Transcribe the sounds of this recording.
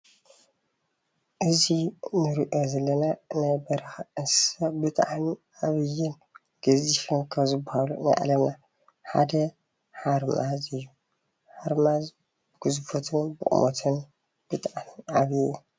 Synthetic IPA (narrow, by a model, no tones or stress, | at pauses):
ʔɨzinɨɾiʔozɐlːɐnanajbɐɾɐxɨnssɐbɨt̪ʰaʕniʔaβɨjːɪn | ɡ̥ɐzifɨnkʰɐβzɨbːahalṵna̰ʔa̰lɐna | ħa̰d̪ɐ | ħaɾmazɨjːu | ħaɾmaz | bɨɡ̥ɨzfot̪ʰɨnbɨ̰ʔʼṵmot̪ʰɨn | b̥ɨt̪ʰaʕnʕaβjːu